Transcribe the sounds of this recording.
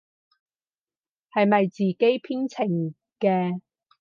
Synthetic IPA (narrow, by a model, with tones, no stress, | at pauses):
hɐ˨jmɐ˨jt͡siː˨ke˥jpʰiː˥nt͡sʰɪ˨˩ŋ | kɛː˧